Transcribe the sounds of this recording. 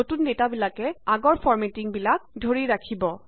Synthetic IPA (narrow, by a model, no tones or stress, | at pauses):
notundetabilakɛaɡɔɹpʰɔɹmetiŋbilak̚dʱoɹiɹakʰibɔ